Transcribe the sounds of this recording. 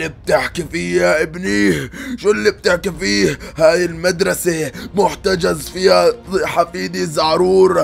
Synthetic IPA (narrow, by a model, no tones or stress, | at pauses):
ib̚t̪ɪħkifiːjaʔɪbniːhʃuːlːib̚t̪ɪħkifiːhhaːjɪlmad̪ɾˤɑsemʊħt̪ad͡ʒazfiːhaħafiːd̪izaʕɾuːɾ